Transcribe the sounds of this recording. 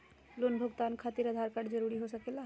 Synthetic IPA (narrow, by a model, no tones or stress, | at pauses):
lonbʱʊɡt̪ankʰat̪iɾəd̪ʱaɾkaɖd͡ʒəɾuɾiɦosəkela